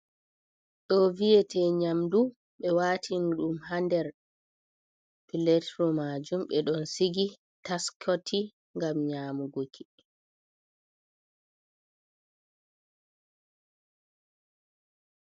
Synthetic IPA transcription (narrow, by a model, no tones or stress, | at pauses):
ɗɔviɛtʰɛɲamdu | ɓɛwatʰinɗumhandɛɾ | pilɛtɾɔmad͡ʒumɓɛɗɔnsiɡi | taskʰɔtʰi | ŋɡamɲaːmuɡokʰi